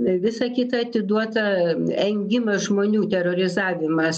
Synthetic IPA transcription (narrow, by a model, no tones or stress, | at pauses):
ʋʲɪsɐkʲɪt̪ɐɐt̪ʲɪd̪uɔt̪ɐɛŋʲɡʲɪmɐʒmoːnʲuːt̪ʲɛɾoɾʲɪzɑːʋʲɪmɐs